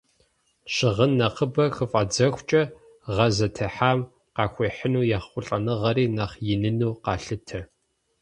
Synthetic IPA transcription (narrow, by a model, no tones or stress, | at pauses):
ʃɪʁənːɐqəbɐxɨfʼɐd͡zɐxʷt͡ʃʼɐ | ʁɐzɐtʰɐħaːm | qɑːxʷeːħənuːjɛχχʷʊɬʼɐnɨʁɐɾiːnaχjɪnɨnuːqɑːɬɨtʰɐ